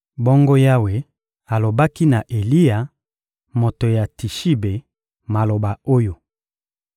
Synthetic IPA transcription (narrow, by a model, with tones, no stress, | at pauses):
bo˦ŋɡo˦ja˦we˨ | a˨lo˨ba˦ki˦na˨ʔe˨li˦ja˨ | mo˨to˨ja˨ti˨ʃi˦be˨ | ma˨lo˨ba˨o˦jo˨